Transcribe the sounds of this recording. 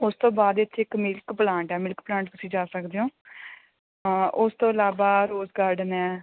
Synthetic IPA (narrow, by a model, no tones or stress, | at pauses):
ʊst̪õːbaːd̪ɪt̪ːɪkmɪlkplãːɳʈɛːmɪlkplãːɳʈ̚t̪ʊsĩːd͡ʒaːsəkd̪eːõː | ʊst̪õːəlaːʋaːɾoːzɡaːɾɖənɛː